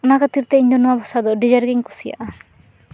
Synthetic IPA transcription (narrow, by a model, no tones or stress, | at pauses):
ɔnakat̪iɾt̪ɛiɲd͡ʒɔnuwabʱasad̪ɔɖid͡ʒaɾɡiŋkɔsija̰ʔa